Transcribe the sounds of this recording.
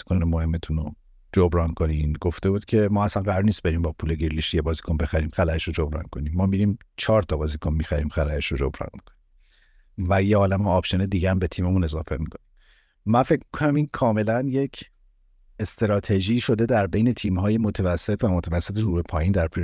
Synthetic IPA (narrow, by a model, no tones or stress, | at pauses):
ikonemohe̞mːet̪ʰuno | d͡ʒobɾɒːnkʰo̞ninɡoft̪e̞buːd̪̥cʰe̞mɒːæsænɢæɾɔːɾniːst̪be̞ɾiːmbɒːpʰuːleɡiɾliʃijebɒːzikʰonbe̞xæɾiːmxælæeʃod͡ʒobɾɒ̰nkʰo̞nimːɒːmiɾiːm | t͡ʃʰɒːɾt̪ʰɒbɒːzikʰonmixæɾiːmxælæeʃod͡ʒo̰bɾɒ̰nmi̥kʰo̥ni | væjeɒːlæmeɒːbʃe̞ned̪iːɟææmbe̞t̪ʰiːme̞mune̞zɒːfemikʰonim | mænfe̞cʰmi̥kʰonæmiːnkʰɒːme̞lænje̞cʰ | est̪eɾɒːt̪ʰe̞ʒiːʃo̞d̪e̞d̪æɾbe̞jne̞t̪ʰiːmɦɒːjemo̞t̪ʰævæsːet̪ʰvæmot̪ʰævæsːet̪ʰeɾuːbe̞pʰɒːjiːnd̪æɾpʰi